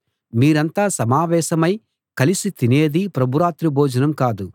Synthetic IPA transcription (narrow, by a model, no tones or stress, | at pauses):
miːɾɐnt̪aːsɐmaːʋɛːʃɐmɐj | kɐlisit̪ine̞ːd̪ipɾɐbʱuɾaːt̪ɾibʱɔːd͡ʒɐnɐmkaːd̪u